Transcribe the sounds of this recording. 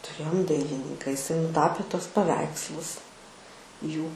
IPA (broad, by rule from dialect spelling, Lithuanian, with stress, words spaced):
tʊˈrʲeːjoːm ˈdɐɪlʲɪnʲɪŋkɐ ɪˈsɐɪ nʊˈtɑːpʲeː ˈtuɔs pɐˈʋʲɛɪkslˠʊs ˈjuː